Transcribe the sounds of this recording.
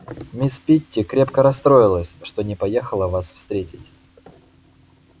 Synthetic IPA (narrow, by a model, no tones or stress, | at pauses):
mʲɪspʲitʲːɪkɾʲepkəɾɐst̪ɾo̞jɪlˠəsʲʂt̪o̞nʲɪpɐjexəlˠəvasfst̪ɾʲetʲɪtʲ